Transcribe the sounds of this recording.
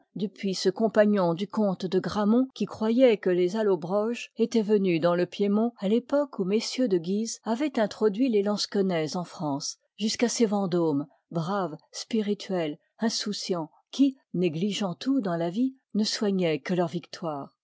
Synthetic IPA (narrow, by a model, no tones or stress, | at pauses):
d̪əpɥisəkɔ̃paɲɔ̃d̪ykɔ̃t̪d̪əɡʁamɔ̃kʲikχwajɛkəlezalobʁɔʒet̪ɛvənyd̪ɑ̃ləpjemɔ̃alepɔkumesjød̪əɡʲizavɛt̪ɛ̃t̪χɔd̪ɥilelɑ̃skɔnɛzɑ̃fχɑ̃s | ʒyskasevɑ̃d̪om | bʁavspiʁit̪ʰɥɛl | ɛ̃susjɑ̃ | kʲi | neɡliʒɑ̃t̪ud̪ɑ̃lavi | nəswaɲɛkəlœʁvikt̪waːʁ